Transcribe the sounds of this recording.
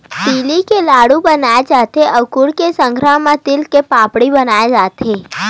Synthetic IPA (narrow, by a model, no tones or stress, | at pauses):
t̪ilikelaɽũbənajed͡ʒat̪ʰeʔəʋkuɽkesə̃ŋɡʱɾammãt̪ilkepãpɽibənajed͡ʒat̪ʰe